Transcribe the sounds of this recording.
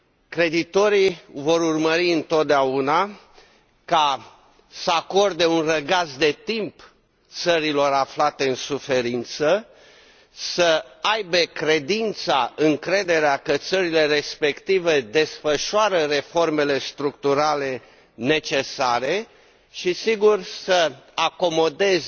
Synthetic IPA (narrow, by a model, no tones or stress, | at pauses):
kɾe̞d̪it̪o̞ɾivo̞ɾurməɾiɨnt̪o̞t̪̚d̪eauna | ka | səako̞rd̪e̞unrəɡasd̪e̞t̪imp | t̪səɾilo̞ɾaflat̪e̞ɨnsufe̞ɾint̪sə | səajbe̞kɾe̞d̪int̪saɨŋkɾe̞d̪e̞ɾeakət̪səɾile̞ɾe̞spe̞kt̪ive̞d̪e̞sfəʃoaɾəre̞fo̞rme̞le̞st̪ɾukt̪uɾale̞ | ne̞t͡ʃe̞saɾe̞ | ʃisiɡursəako̞mo̞d̪e̞z